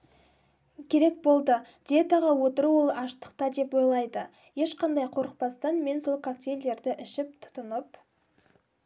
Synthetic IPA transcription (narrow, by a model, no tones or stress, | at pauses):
kʲʰe̞ɾe̞k̚bo̞lˠd̪əd̪̥ʲeet̪aʁɑwo̞t̪əɾuwolˠɑʃt̪ə̥q̚t̪ɑd̪e̞pwo̞jlˠɑjd̪ə | je̞ʃqɑnd̪ɑjqʰo̞ɾəq̚pɑst̪ɑnme̞nso̞lˠkʰak̚t̪ʲejld̪e̞ɾd̪ɪʔɪʃɪp̚t̪ʰʊ̥t̪ʊnəp